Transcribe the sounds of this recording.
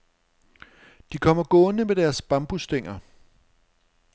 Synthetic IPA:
d̥ikʰɒ̽m̰ɐɡ̥ɔ̽ːnəmed̥æɐsb̥ɑ̈mb̥usd̥eŋ̰ɐ

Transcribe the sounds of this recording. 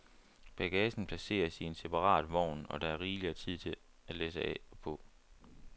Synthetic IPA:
b̥æɡ̥ɛsn̩pʰlæse̝̰ːɐsie̝nse̝pʰɑ̈ʁɑ̰̈ːd̥ʋɒʊ̰nɒ̽ɾ̥ɑæɐʁiːliɐt͡sʰið̞̰ˠt͡sʰe̝ | æ̥leːsəɛ̰pʰɔ̽

